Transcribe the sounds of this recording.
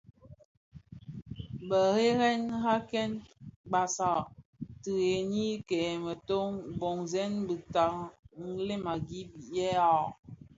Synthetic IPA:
bə˨ɣe˦ɣɛ˦nɣa˦kɛ˦nɡ͡ba˨sa˨ʔti˨ɣe˨ni˦kɛ˨mə˨to˦ŋbo˨ŋzɛ˦nbi˨ta˨ŋn̩˦le˦ma˨ɡi˦bi˨jɛ˦a˦˨

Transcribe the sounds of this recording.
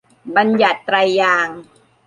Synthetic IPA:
ba˧nja˨˩t̪ːɾa˧jːaː˧ŋ

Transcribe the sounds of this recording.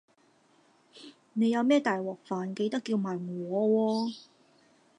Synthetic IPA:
ne˨˧jɐ˨˧wmɛː˥˩t̪aː˨jwɔː˨˩k̚faː˨nke˧jt̪ɐ˥kːiː˧wmaː˨jŋwɔː˨˧wɔː˧

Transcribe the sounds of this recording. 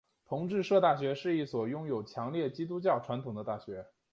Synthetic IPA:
t̪ʰʊ˧˥ŋʈ͡ʂɻ̩˥˧ʂɤ˥˧t̪a˥˩ɕɥɛ˧˥ʂɻ̩˥˧i˥˩swɔ˨˩jʊ˥ŋjo˨˩ʊt͡ɕʰjɑ˧˥ŋljɛ˥˩t͡ɕi˥t̪̬u˥t͡ɕjɑ˥˩ʊʈ͡ʂʰwa˧˥nt̪ʰʊ˨˩ŋd̪ə˦t̪a˥˩ɕɥɛ˧˥

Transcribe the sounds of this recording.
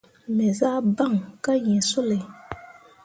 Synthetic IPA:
mɛ˨za˦ba˦˨ŋka˦jĩ˨so˦le˨

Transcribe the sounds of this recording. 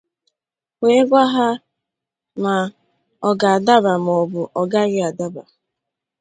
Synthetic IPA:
we˨˦ɡʷa˦ɦa˦ | ma˨ | ɔ˦ɡa˨a˨da˦ba˨m˨ɔ˨bu˨ʔɔ˨ɡa˦ɣɪ˦a˨da˦ba̰˨

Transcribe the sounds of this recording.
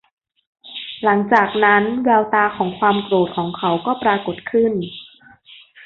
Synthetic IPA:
la˩˦ŋt͡ɕaː˨˩k̚na˦˥nwɛː˧wt̪aː˧kʰɔː˩˦ŋkʰwaː˧mkɾoː˨˩t̪̚kʰɔː˩˦ŋkʰa˩˥wkɔː˥˩pɾaː˧ko˨˩t̪̚kʰɯ˥˩n

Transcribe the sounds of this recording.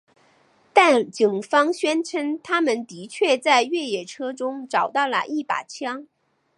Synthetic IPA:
t̪a˥˩nt͡ɕi˨˩ŋfɑ˥ŋɕɥɛ˥nʈ͡ʂʰə˧˥nt̪ʰa˥mə˨nt̪i˧˥t͡ɕʰɥɛ˥˧t͡sa˥˧ɪɥɛ˥˩jɛ˨˩ʈ͡ʂʰɤ˥ʈ͡ʂʊ˥ŋʈ͡ʂɑ˨˩ʊt̪ɑ˥˩ʊlə̰˩ʔi˥˩pa̰˨˩t͡ɕʰjɑ˥ŋ

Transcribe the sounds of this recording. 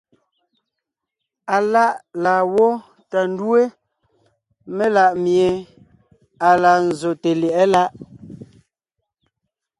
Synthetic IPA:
a˨la˦ʔla˨wɔ˦ | ta˨n˦dwe˦ | me˦la˦˨ʔmje˨ | a˨la˨n̩˨zo˨te˨lɛ˨ɛ˦la˦ʔ

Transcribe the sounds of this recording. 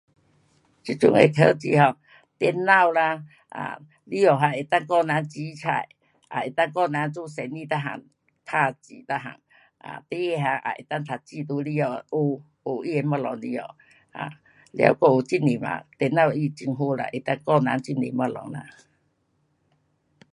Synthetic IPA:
t͡ɕi˦t͡ɕjṵ˧˨ŋḛ˨t̪ʰə˧˦t͡ɕi˧ɦɔ˨ | t̪jɛ˧nːa˥˧˨wla˧ | a̰˧˨ | li˦ɔ˨˩ɦa˧˨e˨˩t̪a˥˧˨ŋkɔ˧na˨˦nt͡ɕi˧˦t͡sʰa̰˧˩j | ʔa̰˨e˨˩t̪a˥˧ŋkɔ˥˧˨na˨˧˦nt͡su˦˧˨sɛ˨˩nĩ˧t̪a˦˧ɦa̰˨˩ŋ | t̪ʰa˧t͡ɕi˨˦t̪a˧ɦa̰˨˩ŋ | ʔa̰˨t̪e˧˦e˧˨ɦa˧˨ŋʔa̰˨ʔḛ˨˩t̪a˦˥˧ŋt̪ʰa˨˩t͡ɕi˧t̪u˧˦li˧˦ɔ˧˨˧ʔu˨˧ | o˨˩ʔi˦˧e˧ma˧lɔ˨ŋli˦ɔ̰˨ | a̰˨ | lja̰˧˦wkɔ˧˨o˨˩t͡ɕi˦ni˨ma̰˨t̪jɛ˧˩na˥˧˨wi˧t͡ɕi˧ŋɦu˧˦la̰˧˨ʔe˨˩t̪a˦˧ŋkɔ˥˧˨na˨˦nt͡ɕi˦˧nḭ˨ma˧lɔ̰˨ŋna̰˧

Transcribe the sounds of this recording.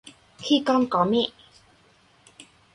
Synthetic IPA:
kʰi˥˨kɔ˧˥nkɔ˨˦mi˥˨

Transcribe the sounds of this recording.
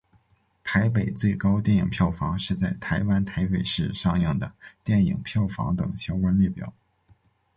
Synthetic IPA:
t̪ʰa˧˥ɪp̬e˨˩ɪt͡swe˥˩ɪkɑ˥ʊt̪jɛ˥˩ni˨˩ŋpʰjɑ˥˩ʊfɑ˧˥ŋʂɻ̩˥˧t͡sa˥˩ɪt̪ʰa˧˥ɪwa˥nt̪ʰa˧˥ɪpe˨˩ɪʂɻ̩˥˧ʂɑ˥˧ŋjɤ˥˩ŋd̪ə˩t̪jɛ˥˩nḭ˨˩ŋpʰjɑ˥˩ʊfɑ̰˧˥ŋt̪ɤ̰˨˩ŋɕjɑ˥ŋkwa˥nli˥˩pjɑ̰˨˩˦ʊ

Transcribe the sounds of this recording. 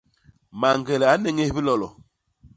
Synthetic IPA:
ma˨ŋɡɛ˨lɛ˨a˨˦nɛ˦ŋe˦hbi˦lɔ˨lɔ˨

